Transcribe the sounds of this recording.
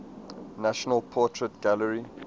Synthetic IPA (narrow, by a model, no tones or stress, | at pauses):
naʃɔnəlpʰɔˑtʰɹətɡ̥aləɹi